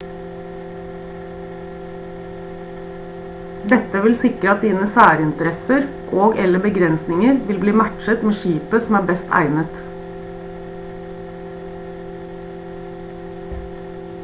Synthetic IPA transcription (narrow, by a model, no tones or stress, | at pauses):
d̪ɛt̪əʋɪlsɪkɾəɑt̪̚d̪iːnəsæːɾɪnt̪əɾɛsəɾ | ʔoːɡɛləbəɡɾɛnsnɪŋəɾʋɪlbliːmæʈʃət̪meːʃiːpəsɔm̩æːbɛst̪ʰæ̰ɪnət̪